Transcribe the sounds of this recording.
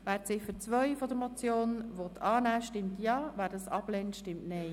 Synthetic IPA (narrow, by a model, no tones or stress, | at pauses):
ʋæːɾt͡sɪfəɾt͡sʋœʏfɔdəɾmɔt͡sjoːnʋɔt̪ʰɑːnæːʃtɪmtjɑːvæːɾdɑsɑb̥lɛntʃtɪmtnɛɪ